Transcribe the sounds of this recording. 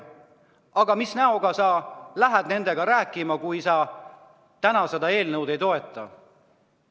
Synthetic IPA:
ɑɡ̥ɑmisnæoɡ̥ɑsɑlæɦæd̪ne̞nd̪e̞ɡɑɾæːkːˑimɑkujsɑ | t̪ænɑsed̪ɑe̞ːlnɤwd̪e̞jt̪o̞e̞t̪ːˑɑ̰

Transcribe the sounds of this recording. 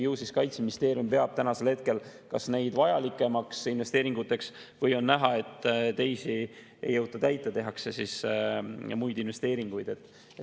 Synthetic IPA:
jɤwsiskɑjt̪sminist̪e̞ːɾijumpe̞ɑb̥t̪ænɑselhe̞t̪̚ke̞lkɑsne̞jd̪̥vɑjɑlikːˑe̞mɑksinve̞st̪e̞ːɾiŋɡ̥ut̪ːˑe̞ksvɤjo̞nːæɦɑe̞t̪ːt̪e̞jsi | ḛjːɤwt̪ːˑɑt̪æjt̪ːˑet̪e̞ɦɑkse̞sis | mujd̪inve̞st̪eːɾiŋɡ̥ujd̪e̞t̪ːˑ

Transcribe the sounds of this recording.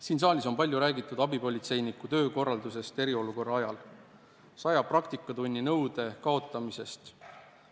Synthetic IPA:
siːns̬ɑːlʲiso̞mpɑlʲjuɾæːɡit̪ːˑud̪̥ɑbipo̞lʲit̪se̞jnikːut̪ø̞ːko̞rːɑld̪use̞st̪e̞ɾio̞luko̞rːɑɑjɑl | sɑjɑprɑkt̪ikːˑɑd̪unʲːinɤwd̪̥e̞kɑo̞t̪ːˑɑmise̞st̪

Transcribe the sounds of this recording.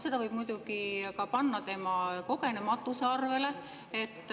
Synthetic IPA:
se̞d̪ɑvɤjb̥mujd̪̥uɡ̥ikɑpɑnːɑt̪e̞mɑko̞ke̞ne̞mɑt̪ːˑuseɑrve̞le̞ | e̞t̪ːˑ

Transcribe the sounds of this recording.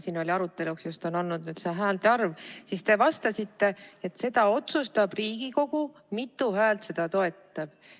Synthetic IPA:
siːno̞lʲiɑɾut̪ːˑe̞luksjost̪o̞nonːud̪nyːd̪̥seɦæːld̪ɑrvsist̪e̞vɑst̪ɑsit̪ːe̞et̪se̞d̪̥ɑo̞t̪sust̪ɑb̥riːɡ̥iko̞ɡ̥u | mit̪ːˑuhæːlt̪se̞d̪̥ɑt̪o̞e̞t̪ːɑb̥

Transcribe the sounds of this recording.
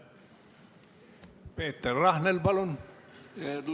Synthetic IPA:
peːt̪ːerrɑhnelbɑlon

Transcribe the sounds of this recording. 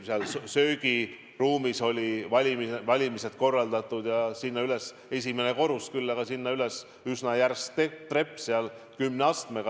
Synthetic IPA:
seɑlsø̞ːɡi | ruːmiso̞lʲivɑlʲimivɑlʲimise̞t̪ko̞rːɑld̪̥ɑt̪ːˑud̪̥jɑsinːɑyles | e̞sʲime̞ne̞ko̞ɾuskylːɑɡɑsinːɑyles | ysnɑjærset̪re̞pːˑseɑl | kymneɑst̪meɡɑ

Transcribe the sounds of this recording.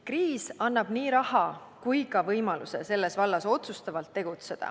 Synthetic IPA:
kriːsɑnːɑb̥niːɾɑhɑ | kujkɑvɤjmɑlṵse̞̰se̞lːe̞svɑlːɑso̞t̪sust̪ɑvɑlt̪ːe̞ɡ̥ut̪se̞d̪̥ɑ̰

